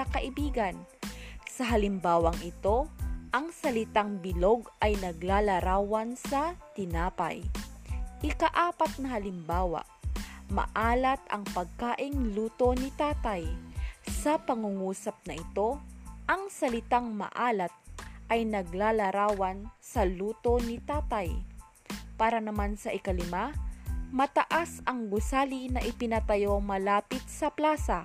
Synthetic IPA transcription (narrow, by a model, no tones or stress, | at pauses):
ɐkɐʔɪbiːɡɐnsɐɦɐlɪmbaːwɐŋʔɪt̪o̞ʔɐŋsɐlɪt̪aŋbɪlo̞ɡʔɐjnɐɡlaːlɐɾaːwɐnsɐt̪ɪnaːpa̰j | ʔɪkɐʔaːpɐt̪̚nɐɦɐlɪmbaːwa̰ʔmɐ̰ʔaːlɐt̪ɐ̰ŋpɐɡ̚kaːʔɪŋluːt̪o̞nɪt̪aːt̪ajsɐpɐŋʊŋuːsɐp̚nɐʔɪt̪o̞ʔɐŋsɐlɪt̪aŋmɐ̰ʔaːlɐt̪̚ʔɐjnɐɡ̚laːlɐɾaːwɐnsɐluːt̪o̞nɪt̪aːt̪ɐj | paːɾɐnɐmansɐʔɪkɐlɪmamɐt̪ɐʔasɐŋɡʊsaːlinɐʔɪpɪnɐt̪ɐjomɐlaːpɪt̪̚sɐplaːsɐ